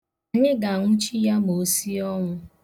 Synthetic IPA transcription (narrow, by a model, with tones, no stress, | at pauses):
ɲe˦ɡa˨a˨ŋʷʊ˦t͡ʃi˦ja˦mo˨si˦ɔ˦ŋʷʊ˦